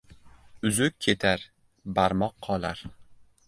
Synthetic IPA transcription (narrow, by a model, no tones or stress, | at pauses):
ʊzʊkʲʰːe̞t̪ʰaɾ | baɾmɒqʰːɒlˠaɾ